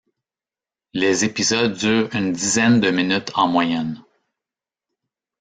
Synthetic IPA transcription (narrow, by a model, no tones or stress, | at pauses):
lezepizʌd̪̚ːyːʁynd̪izɛnd̪əminyt̪ʰɑ̃mwajɛn